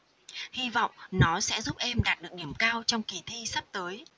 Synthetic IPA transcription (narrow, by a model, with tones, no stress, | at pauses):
hi˧vɔ̰˧˨wŋ͡mnɔ˨˦sɛ̰˧˥zu˦˥p̚ʔɛ˧mɗaː˨˩t̚ɗɨ˨˩ək̚ɗi˧˩əmkaː˧wt͡ɕɔ˧wŋ͡mki˧˩t̪ʰi˧sa˦˥p̚t̪əː˨˦j